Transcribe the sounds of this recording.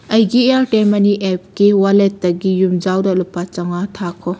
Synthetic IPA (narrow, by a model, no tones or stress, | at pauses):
ɐjɡieaɾteɾmɐniʔep̚kiwalet̚ːɐɡijumd͡ʒawdɐlupːat͡ʃɐŋatʰakʰɔ